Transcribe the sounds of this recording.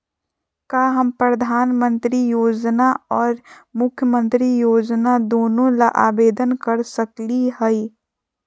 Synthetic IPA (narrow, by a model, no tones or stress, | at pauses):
kaːɦɐmpɾɐd̪ʱaːnmə̃nt̪ɾijoːd͡ʒnaɔːɾmʊkʰːjəmə̃nt̪ɾijoːd͡ʒnad̪oːnõlaʔa̰ːbeːd̪ənkɐɾsɐkliɦɛi